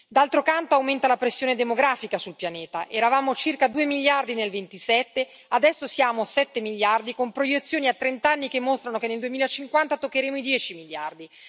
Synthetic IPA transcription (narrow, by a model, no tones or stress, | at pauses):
d̪alt̪ɾokant̪oawment̪alapɾesːjoːned̪emoɡɾaːfikasulpjaneːt̪aʔɛɾavaːmot͡ʃirkad̪uːemiʎːjard̪inelvent̪isɛt̪ːe | ad̪ɛsːosjaːmosɛt̪ːemilːard̪ikompɾojet̪sːjoːniat̪ːɾent̪anːikemːost̪ɾanokenːeld̪uwemiːlaet͡ʃiŋkwant̪at̪okːeɾeːmoid̪jɛːt͡ʃimiʎja̰rd̪i